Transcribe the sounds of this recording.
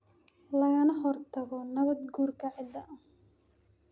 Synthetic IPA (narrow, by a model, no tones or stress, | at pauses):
lɐɣɐnɐɦɔrt̪ʰɐɣɔnɐβɐd̪ɡuːrkʰɐʕɪd̪ɐʔɐ